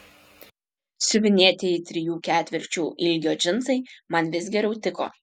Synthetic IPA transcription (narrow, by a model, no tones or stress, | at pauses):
sʲʊʋʲɪnʲeɛt̪ʲeːɪt̪ʲɾʲɪjuːkʲæːt̪ʲʋʲɪɾʲt͡ʃʲuːʔɪlʲɡʲoːd͡ʒʲɪnsɐɪmɐnʋʲɪs̬ɡʲɛɾʲɛʊt̪ʲɪko̰ː